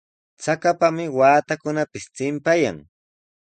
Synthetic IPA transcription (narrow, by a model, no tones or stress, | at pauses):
t͡sakapamɪwaːt̪akʊnapɪst͡sɪmpaja̰ŋ